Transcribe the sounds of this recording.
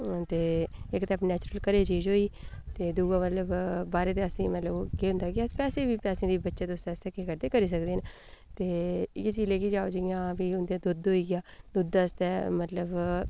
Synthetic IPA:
t̪eːɪkt̪ɛpnɛːt͡ʃɾəlkəɾeːt͡ʃiːzɦoːiːt̪eːd̪uːɡãːmət̪ləbbaːɾeːt̪eːəsĩːmət̪ləbkeːɦʊ̃nd̪aːɡɪaːpɛːsẽːbiːpɛːsẽːd̪iːbətːʃẽːt̪ʊsɛːst̪ɛːkeːkəɾd̪eːkəɾiːs̬əkd̪eːne | t̪eːɪkːt͡ʃiːzleːkiːd͡ʒaːoːd͡ʒɪɪjãːbiːʊnd̪ẽːd̪ʊd̪ɦoːiːɡɪjaːd̪ʊd̪ast̪ɛːmət̪ləb

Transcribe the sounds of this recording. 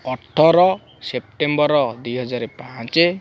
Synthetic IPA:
ɔʈʰːɔɾɔ | sep̚ʈembɔɾɔd̪ujɦɔd͡ʒaɾepãt͡ʃe

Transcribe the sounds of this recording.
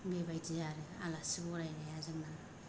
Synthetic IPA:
mebajdijaɾɯa̰lasibɔɾajnajazɯŋna

